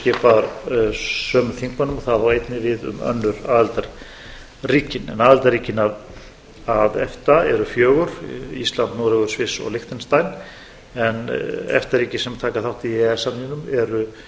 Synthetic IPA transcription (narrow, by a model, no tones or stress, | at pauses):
cɛːpaɾ | sœːmʏθiŋkmanʏmɔθaðawejt̪nɪvɪðʏ̰mœ̰nːʏɾaːðɛlt̪aɾ | riːcɪnɛ̰naːðɛlt̪aɾriːcɪnað | aðɛft̪aɛɾʏfjœːɣʏɾḭst̪lant̪nuːɾɛɣʏɾ̥svɪsɔ̰ɣlɪxt̪ɪnst̪ajn | ɛnɛ̰ft̪aɾiːcɪsɛmt̪ʰaːkaθawht̪iiɛsamninʏmɛɾʏ